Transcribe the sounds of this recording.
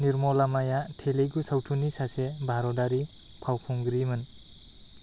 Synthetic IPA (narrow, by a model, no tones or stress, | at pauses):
niɾmɔlamajatʰeleɡusawtʰunisasebʱaɾɔdaɾi | pʰawpʰuŋɡɾimɯn